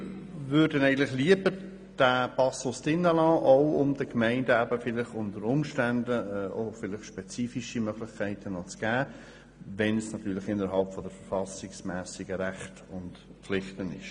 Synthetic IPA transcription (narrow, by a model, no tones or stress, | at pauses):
vʏːɾd̥ənæɪɡən̩lɪχliəbəɾ | d̥æbɑsosd̥ɪnːəlɑːʔoʊʊmdəkmɛɪndəæbəfɪlɪχʊntəɾʊmʃtændəʔoʊfɪlɪχʃpɛt͡siːfiʃimœɡ̥lɪχkʰæɪtʰənɔt͡sɡ̥æː | vɛnsnɑt̪yːɾlɪχɪnːəɾɦɑlpfɔdəɾfəɾfɑsɪksmɛːsɪɡəɾæχtʊntplɪχtənɪ̰ʃ